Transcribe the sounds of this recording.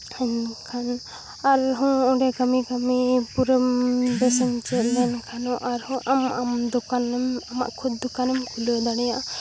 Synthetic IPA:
aɲkʰan | aɾɦɔ̃ɔɖɛkamikamipuɾəmbɛsɛnt͡ʃɛʔlɛnkʰanɔʔaɾhũʔamamd̪ɔkanɛmama̰ʔkʰud̪̚ːɔkanɛmkʰulod̪aɽɛjaʔa

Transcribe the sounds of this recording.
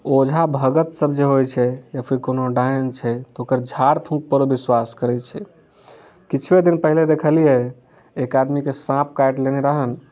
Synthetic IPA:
od͡ʒʱabʱəɡət̪səbd͡ʒeɦojt͡ʃʰɛjəpʰikonoɖajənt͡ʃʰɛt̪ɔokəɾd͡ʒʱaɾpʰũk̚pəɾobiswaskəɾɛt͡ʃʰɛ | kit͡ʃʰwed̪inpəɦiled̪ekʰəlijɛ | ekad̪mikesãp̚kajʈleneɾaɦən

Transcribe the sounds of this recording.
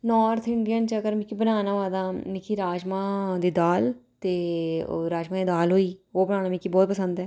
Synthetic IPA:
nɔːɾt̪ʰɪɳɖijənt͡ʃəɡəɾmɪkibənaːnaːʋaːd̪aːnɪkʰiɾaːd͡ʒmaːd̪iːd̪aːlt̪eːɾaːd͡ʒmãːd̪iːd̪aːlɦoːiːoːbənaːnaːmikibɔːt̪̚pəsə̃nd̪ɛː

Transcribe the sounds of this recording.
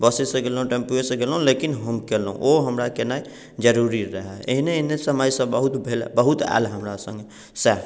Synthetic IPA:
bəsesẽɡelɦũʈẽmpuesẽɡelɦũlekɪnɦəmkelɦṵ̃ʔoɦəmɾakenai | d͡ʒəɾuːɾiɾəɦɛḛɦineɦnesəməjsə̃bəɦʊt̪bʱelbəɦʊt̪ɛ̰ːlɦəmɾasə̰̃ŋɡe | sɛːp

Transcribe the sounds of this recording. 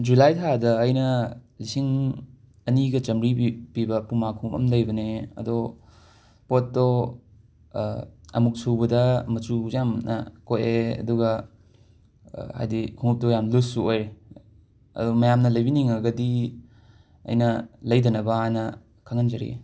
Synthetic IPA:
d͡ʒulajtʰadɐːjnɐlisiŋ | ɐniɡɐt͡ʃɐmɾipibɐpumakʰuŋmɐ̰mlɐjbɐneɐ̰do | potːo | ɐ̰muk̚sʰuwbɐdɐmɐt͡ʃujamnɐ̰koeɐ̰duɡɐ | ha̰jdikʰuŋup̚tojamlusuoj | ɐ̰dumɐjamnɐlɐjbiniŋɐɡɐdi | ɐ̰jnɐlɐjdɐnɐbɐanɐ | kʰaŋɐnd͡ʒɐɾḭ

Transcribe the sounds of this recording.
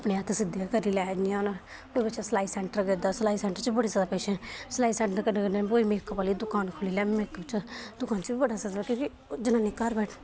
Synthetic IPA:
ɐpneaːt̪ʰesɪd̪jakəɾilaːniãːna | koːibəːʃaslaːisɛːɳʈəɾɡəd̪aslaːisɛ̃ːɳʈəɾt͡ʃbəɽisaːd̪aːpeːʃeslaːisɛ̃ɳʈəɾkənɡəeboːimeːkːpaːlid̪ʊkaːnkʰʊlilɛmeːkːbət͡ʃad̪ʊkaːnt͡ʃibibəɽasad̪akĩːki | d͡ʒɪnãnekaɾbɛːʈʰ

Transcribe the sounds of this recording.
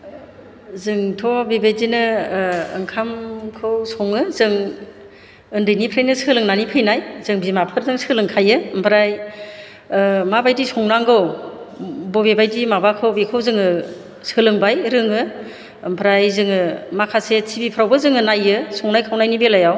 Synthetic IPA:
zɯŋtʰɔbebedinɯɯŋkʰamkʰɯwsɔŋɯzɯŋ | ɯndɯjnipʰɾajnɯsɯlɯŋnanipʰɯjnajzɯŋbimapʰɯɾzɯŋsɯlɯŋkʰajɯmpʰɾaj | mabajdisɔŋnaŋɡɯw | bɔbebajdimabakʰɯwbekʰɯwzɯŋɯ | sɯlɯŋbajɾɯŋɯ | mpʰɾajzɯŋɯmakʰasetʰibipʰɾawbɯzɯŋɯnajɯsɔŋnajkʰawnajnibelajaw

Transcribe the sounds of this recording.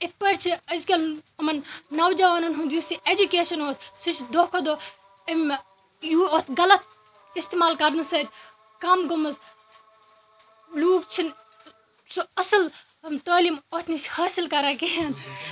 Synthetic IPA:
it̪̚pɐɾt͡ʃʰiɐzkʲɐlɐmɐnːɐwd͡ʒɐʋaːnɐnɦũnd̪jusied͡ʒukeːʃɐnoːsʲsit͡ʃʰd̪oːkʰod̪oː | ɐm | juot̪ʰɡɐlɐt̪̚ | ist̪emaːlkɐɾnɨsɐd̪ʲ | kɐmɡɐmus | luːk̚t͡ʃʰin | sɐsɨl | ɐmt̪ɐːliːmot̪ʰnit͡ʃʰhaːsilkɐɾaːkeɦen

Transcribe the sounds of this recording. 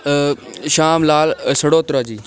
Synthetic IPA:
ʃaːmlaːlsɐɽoːt̪ɾaːd͡ʑiː

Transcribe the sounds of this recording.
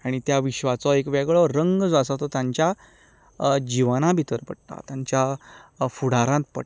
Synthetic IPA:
aɽ̃it̪jaʋiɕʋat͡sɔekʋɛɡɭɔɾəŋɡd͡zasat̪ɔt̪jãɲt͡ɕja | d͡ʑiʋanãbʱit̪əɾpə̰ɽt̪a̰t̪jaɲt͡ɕja | fuɽ̤aɾãnt̪̚pə̰ɽ

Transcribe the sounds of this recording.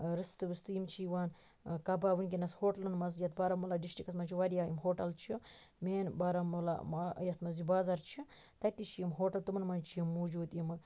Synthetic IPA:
ɾɨst̪ɨʋɨst̪ɨjimt͡ʃʰiʋaːn | kɐbaʋunʲk̬inɐshoːʈɐlɨnmɐzjɐt̪̚bɐɾɐmulaɖisʈikɐsmɐt͡ʃʰiʋɐɾijaːjimɦoːʈɐlt͡ʃʰi | meːnbaːɾɐmula̰majɐt̪mɐzibaːzɐɾt͡ʃʰi | t̪ɐt̪it͡ʃʰijimɦoːʈɐlt̪umɐnmɐnt͡ʃʰiimːoːd͡ʒuːd̪imɨ

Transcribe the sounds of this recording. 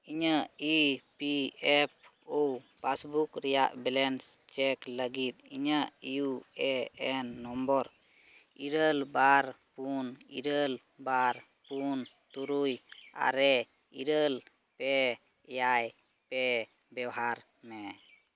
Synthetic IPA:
iɲəipiɛp̚ | opasbukɾɛjaʔbɛlɛnst͡ʃɛkləɡit̪̚iɲəʔijuɛɛnːɔmbɔɾ | iɾəlbaɾpunḭɾəl | baɾ | punt̪uɾuja̰ɾɛ | ḭɾəl | pɛ | ɛjaj | pɛ | bɛwɦaɾ | mɛ

